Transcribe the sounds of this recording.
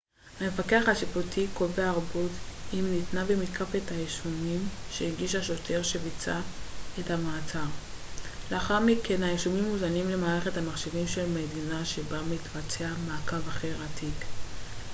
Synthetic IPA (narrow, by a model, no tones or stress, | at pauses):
hame̞fakeaχaʃifotʰiko̞veaːʁbotimnitnavemitkʰafethajeʃumimʃeiɡiʃaʃotʰe̞ʁʃevit͡saethamaːt͡saʁ | leaχaʁmikʰe̞nhajeʃumimːuzanimle̞maːʁeχe̞thamaχʃevimʃe̞lme̞dinaʃe̞bamitvat͡seamaːkavaχe̞ʁatʰik